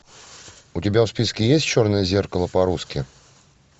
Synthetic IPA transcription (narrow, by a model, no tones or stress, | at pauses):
ʊtʲɪbʲafspʲiskʲɪjesʲt̚ʲt͡ɕo̞rnəjəzʲe̞rkəlˠəpɐɾuskʲɪ